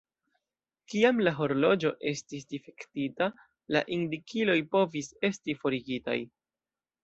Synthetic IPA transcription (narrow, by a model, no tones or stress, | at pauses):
kiamlaɦo̞ɾlo̞d͡ʒo̞ʔe̞stis̬dife̞ktita | la̰ʔindikʰilo̞jpo̞vise̞stifo̞ɾiɡita̰j